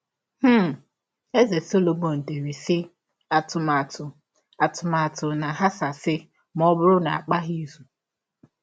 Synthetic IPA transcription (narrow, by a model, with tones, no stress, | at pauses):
h̩˦˨ | e˦ze˨so˦lo˨mo˨n̩˨te˨ɾi˨sɪ˦ | a˨tʊ˨ma˨tʰʊ˨ | a˨tʊ˨ma˨a˨tʊ˨na˨ɦa˦sa˨sɪ˦ | m˦ɔ˦bʊ˦ɾʊ˦na˨a˨k͡pa˦ɦi˦zu˨